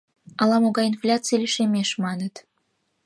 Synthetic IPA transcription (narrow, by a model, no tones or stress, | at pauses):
ɑlɑmoɣɑinflʲat͡sijlʲiʃemʲeʃmɑnət̪